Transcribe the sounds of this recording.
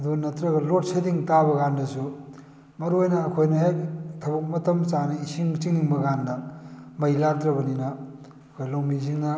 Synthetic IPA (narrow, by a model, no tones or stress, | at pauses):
ɐd̪unɐtɾɐɡɐlot̚sediŋtabɐɡandɐsu | mɐɾojnɐːkʰojnɐɦek̚tʰɐbɐk̚mɐtɐmt͡ʃanɐisiŋt͡ʃiŋiŋbɐɡandɐmɐjlak̚d̪ɾɐbɐninɐː | kʰojlawmiziŋnɐ